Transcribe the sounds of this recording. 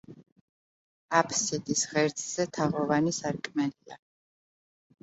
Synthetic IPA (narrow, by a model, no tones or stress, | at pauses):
apʰsɛd̪ʼisʁɛɾt̪sʰʼz̥ɛt̪ʰaʁɔvanisaɾkʼmɛlia̰